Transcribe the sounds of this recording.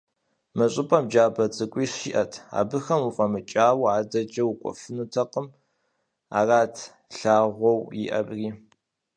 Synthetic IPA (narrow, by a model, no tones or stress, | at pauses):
mɨɕʼɪpʼɐmd͡ʒaːbɐt͡sʼɨkʷʼiːɕḭʔɐtʰa̰ːbɨxɐmufʼɐmɨt͡ʃʼaːwaːdɐd͡ʒɐwkʷʼɔ̰fɨnutʰɐqəm | a̰ːraːtʰ | ɬaːʁʷɔwjɪ̰ʔɐ̰briː